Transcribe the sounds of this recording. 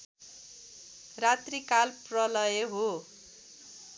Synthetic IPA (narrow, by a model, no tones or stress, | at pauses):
rat̪rikalprʌlʌjeɦo